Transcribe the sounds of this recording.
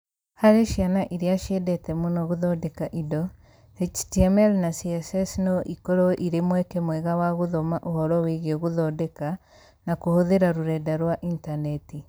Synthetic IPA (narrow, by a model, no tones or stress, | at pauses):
haɾeʃjanaʔiɾjaʃedɛtɛmunɔɣuðɔdɛkaʔidɔ | et͡ʃtiɛmɛlnasiɛsɛsnɔʔikɔɾɔʔiɾemwɛkɛmwɛɣawaɣuðomaʔohɔɾɔweɣoɣuðɔdɛka | nakuhoðeɾaɾuɾɛdaɾwaʔintanɛti